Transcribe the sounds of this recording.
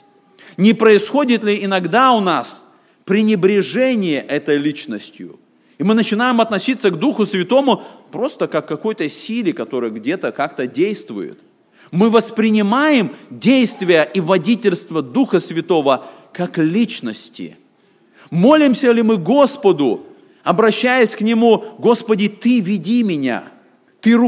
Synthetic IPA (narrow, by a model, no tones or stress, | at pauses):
nʲɪpɾəɪsxo̞dʲɪt̪lʲɪɪnɐɡd̪aʊnas | pɾʲɪnʲɪbɾʲɪʐɛnʲɪjəʔɛt̪əjlʲit͡ɕnəsʲtʲjʊ̰ | imɨnət͡ɕɪnajɪmɐt̪nɐsʲit̪sːəɡd̪uxʊsvʲɪt̪o̞mʊpɾo̞st̪əkakːɐko̞jt̪əsʲilʲɪkɐt̪o̞ɾɨjəɡdʲe̞t̪əkak̚t̪ədʲejst̪vʊ̰jɪ̰t̪ | mɨvəspɾʲɪnʲɪmajɪmdʲejst̪vʲɪjəʔivɐdʲitʲɪlʲst̪vəd̪uxəsvʲɪt̪o̞və | kaklʲit͡ɕnəsʲtʲɪ̰ | mo̞lʲɪmsʲəlʲɪmɨɡo̞spəd̪ʊ | ɐbɾɐɕːæjəsʲknʲɪmuɡo̞spədʲɪt̪ɨvʲɪdʲimʲɪnʲa̰ | t̪ɨ